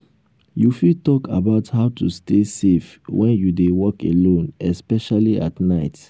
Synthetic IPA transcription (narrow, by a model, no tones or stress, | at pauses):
jufitɔkabaʊthaʊtʰustesef | wʔɛ̃njudewɔkʰelõnɛspɛʃaliʔa̰tnaɪt